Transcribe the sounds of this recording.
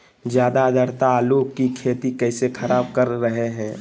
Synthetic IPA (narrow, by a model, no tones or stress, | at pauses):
d͡ʒjaːd̪ad̪əɾt̪aːlukkikʰeːt̪ikɛːsekʰɐɾaːbkɐɾːəɦeɦɛ̃ː